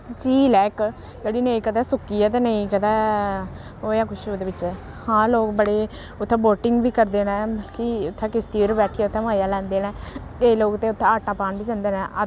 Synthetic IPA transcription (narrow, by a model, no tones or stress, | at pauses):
d͡ʒiːlɛːk | d͡ʒəɽiːnəĩːkəd̪ɛːsʊkːijaːt̪̬eːnəĩːkəd̪ɛː | ɦoːjaːkʰʊʃoːd̪eːbɪt͡ʃː | hãːloːkbəɽeː | ʊt̪ʰːãːboːʈɪŋɡʋiːkəɾd̪eːnɛ̃ːkiʊt̪ʰːãːkɪst̪iːɾbɛːʈʰiaːʊt̪ʰːɛ̃mãːjaːlɛ̃ːnd̪eːnɛ̃ːkeloːkt̪ẽːʊt̪ʰːãːaːʈaːpaːnbiːd͡ʒãnd̪eːnɛ̃ːʔə